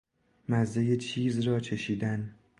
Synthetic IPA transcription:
mæzːejet͡ʃʰiːzrɒːt͡ʃʰe̞ʃiːd̪æn

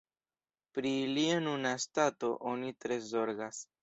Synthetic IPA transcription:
pɾilianunastato̞ʔonitɾe̞zo̞ɾɡas

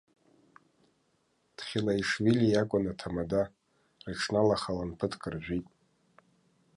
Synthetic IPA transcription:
d̥χʲilaiʂvilʲijakʷʼʊnatʰamada | rɨʈ͡ʂʰnalaχalanpʰɨtʰkʼɨrʒᶣʷitʼ

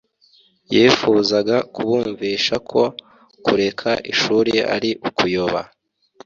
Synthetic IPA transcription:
jiːfuzaɡakuβuːɱviːʃakʰo̞ | kuɾe̞kʰaʔiʃuːɾea̰ɾiʔukujoβa̰

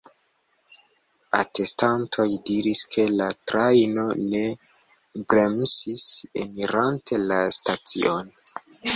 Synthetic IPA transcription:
a̰te̞stantʰo̞jdiɾiskʰe̞latɾajno̞ne̞ | bɾe̞msisḛmiɾantʰe̞lastat͡sḭʔo̞n

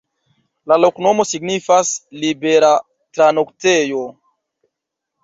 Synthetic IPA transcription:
lalo̞kno̞mo̞siɡnifaslibe̞ɾa | tɾano̞ktejo

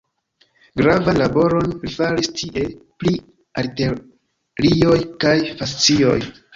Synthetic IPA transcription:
ɡɾavanlabo̞ɾo̞nɾifaɾistʰiʔe̞pli | aɾte | ɾio̞jkajfast͡sio̞̰j

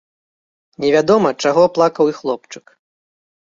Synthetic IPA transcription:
nʲɛvʲad̪ɔmɐt͡ʂaɣɔplˠakɐwixlˠɔp̚t͡ʂɨ̥k

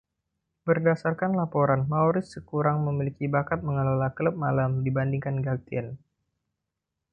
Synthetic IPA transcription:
bərdasarkanlapoɾanmaoɾɪssəkuɾaŋməmilikibakat̪̚məŋəlalakələp̚malamdibandiŋkanɡak̚t̪iɛn

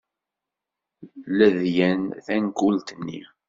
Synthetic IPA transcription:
læðjænθænkʊlt̪ənːḭ

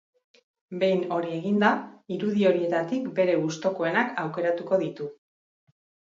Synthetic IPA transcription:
be̞jno̞ɾie̞ɣind̪aiɾuðio̞ɾie̞t̪at̪ikbe̞ɾe̞ɣust̪o̞koe̞nakawke̞ɾat̪uko̞ðit̪u

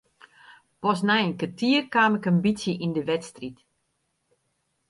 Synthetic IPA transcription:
pɔs̬nɛjənkətʰiərkaːmɪkənbisjəʔindəʋɛtstrit

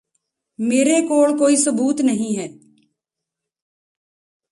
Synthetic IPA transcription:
meːɾekoːɭkoːisʊbuːt̪nɐɦĩɦɛː

